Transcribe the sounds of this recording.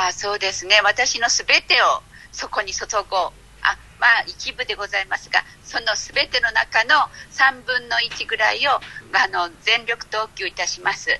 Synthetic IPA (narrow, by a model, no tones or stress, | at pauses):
aːso̞ːd̪e̞sɨne̞βat̪aɕino̞sɨbe̞t̪e̞o̞so̞ko̞ɲ̟iso̞t̪o̞ɡo | a̰ | maːikʲibɯ̟d̪e̞ɡo̞zaimasɨɡa̰ | so̞no̞sɨbe̞t̪e̞no̞na̰kano̞sãmbɯ̟̃nːo̞it͡ɕiɡɯ̟ɾa̰io̞ɡano̞zẽ̞nɾʲo̞kɯ̟̥t̪o̞ːkʲɨːit̪aɕimasɨ